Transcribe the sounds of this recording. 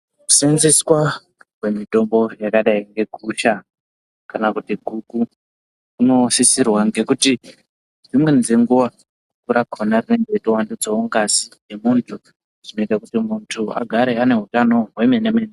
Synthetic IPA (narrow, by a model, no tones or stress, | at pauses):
ku̥sinziswa | we̞mito̞mbo̞jakaɗaiŋɡe̞ɡʱuʃa | kanakutiɡʱuku | kuno̞sisirwaŋɡe̞kuti | d͡zimwe̞nd͡ze̞ŋɡuʋa | kukuɾakʰonarine̞ŋɡeitiwandud͡zooŋɡasi̥ne̞muntʰu | ʐ̥ino̞itakutimuntʰua̰ɡʱaɾe̞ane̞ɦutano̞ɦwe̞menemeːne